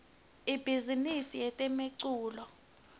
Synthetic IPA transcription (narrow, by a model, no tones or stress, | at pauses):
ib̥ʱizinisijɛtʼɛmeǀuːlɔ